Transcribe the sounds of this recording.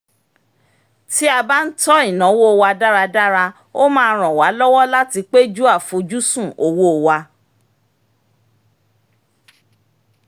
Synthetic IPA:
ti˦a˧ba˦n̩˦tɔ˦i˦˨nɔ̃˨˦wo˦˨wa˧da˦ɾa˧da˦ɾa˧ | o˦mãː˧ɾ̃ɔ̃˨wa˨˦lɔ˦wɔ˦la˦ti˧k͡pe˦d͡ʒu˦a˦˨fu˨˦d͡ʒu˦sũ˦˨ʔo˨wo˦o˨wa˧

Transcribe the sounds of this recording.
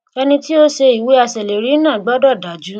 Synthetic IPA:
ɛ˧nĩ˧ti˦o˦ʃe˧i˨we˨˦a˧sɛ˨le˨ɾi˨˦nãː˦˨ɡ͡bɔ˦dɔ˦˨da˨˦d͡ʒu˨˦

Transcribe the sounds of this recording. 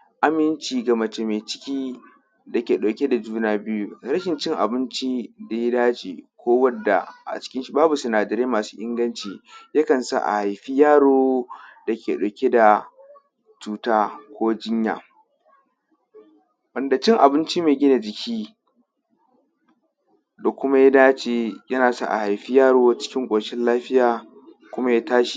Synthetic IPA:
ʔa˦mɪ˦nt͡ʃiː˨ɡɐ˨mɐ˨t͡ʃe˨meː˨t͡ʃɪ̥˦kʲiː˦ | da˨kʲeː˨ɗoː˨kʲe˦da˨d͡ʒuː˦naː˦bɪ˦ju˦ɾɐ˦ʃɪ˨nt͡ʃɪ˦ŋʔa̰˨bɪ˦nt͡ʃi˦da˨ji˦daː˦d͡ʒḭː˨kʷoː˦wɐ˦dːa̰˨ʔa̰˨t͡ʃɪ̥˦kʲɪ˦nʃi˨baː˦bu˨sʊ˨naː˨dɐ˨ɾeː˦maː˨su̥ː˦ʔɪ˦ŋɡɐ˦nt͡ʃiː˨ja˦kɐ˨nsa̰˦ʔa̰˨ha˨jɸi˦jaː˦ɽoː˦da˨kʲeː˨ɗoː˨kʲe˦da˨ | t͡ʃuː˦taː˦kʷoː˦d͡ʒɪ˦ɲja̰ː˨ | wɐ˨nda˨t͡ʃɪ˦ŋʔa˨bɪ˦nt͡ʃi˦meː˨ɡʲɪ˦na˨d͡ʒɪ˨kʲʰiː˦ | da˨kʷʊ˦ma˦ja˦daː˦t͡ʃe˨jɐ˦naː˨sa̰˦ʔa̰˨ha˨jɸi˦jaː˦ɽoː˦t͡ʃɪ̥˦kʲɪ˦ŋkʷʼoː˨ʃɪ˦nlaː˦ɸɪ˦jaː˨ | kʷʊ˦ma˦ja˦taː˦ʃi˨

